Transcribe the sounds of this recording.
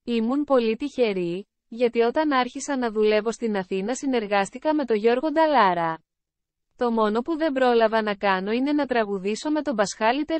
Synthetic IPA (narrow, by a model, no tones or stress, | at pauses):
imunpo̞lit̪içe̞ɾi | ʝɐt̪io̞t̪ɐnɐɾçisɐnɐðule̞vo̞st̪inɐθinɐsine̞ɾɣɐst̪ikɐme̞t̪o̞ʝo̞ɾɣo̞d̪ɐlɐɾɐ | t̪o̞mo̞no̞puðe̞mbɾo̞lɐvɐnɐkɐno̞ine̞nɐt̪ɾɐɣuðiso̞me̞t̪o̞bɐsxɐlit̪e̞